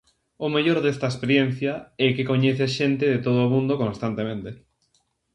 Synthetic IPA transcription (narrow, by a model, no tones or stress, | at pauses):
ʊmeʎoɾðest̪ɐespeɾjen̟θjɐɛkɪkoɲeθeaʃent̪ɪðet̪oðoamũnd̪okõnst̪ant̪emẽnt̪e